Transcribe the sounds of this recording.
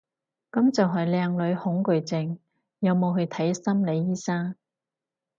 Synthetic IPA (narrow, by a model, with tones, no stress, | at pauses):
kɐ˨˥mt͡sɐ˨wɦɐ˨jlɛː˧ŋlɵ˨˧˥ɥhʊ˨˥ŋkɵ˨ɥt͡sɪ˧ŋ | jɐ˨˧wmo˨˧wɦɵ˧ɥt̪ʰɐ˨˥jsɐ˥mle˨˧jːiː˥saː˥ŋ